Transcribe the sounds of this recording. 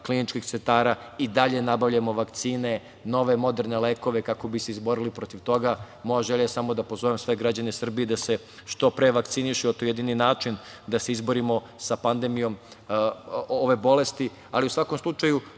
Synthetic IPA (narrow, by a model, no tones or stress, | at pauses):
klinit͡ʃkixt̪sent̪aːɾaid̪aʎe̞nabavʎamo̞ʋakt̪siːne̞ | no̞ʋe̞mo̞d̪eɾne̞leːko̞ʋe̞kako̞biseizbo̞ɾilipɾo̞t̪iʋt̪o̞ɡa | mo̞jaʒeʎajesamo̞d̪apo̞zoʋemsʋe̞ɡɾad͡ʑanesr̩bied̪ase̞ | ʃt̪o̞pɾeʋak̚t̪siniʃiot̪ojed̪ininaːt͡ʃin | d̪aseizboɾimo̞ | sapand̪emijo̞m | oʋe̞bo̞le̞st̪i | aliusʋako̞mslˠut͡ʃaju